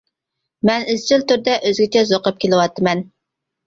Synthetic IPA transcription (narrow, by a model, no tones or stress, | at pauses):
mɛnyzt͡ʃʰilt̪yɾd̪ɛʔøzɡʲɛt͡ʃʰɛzoqəp̚kʲʰelɨwɑt̪ʰːɨmɛn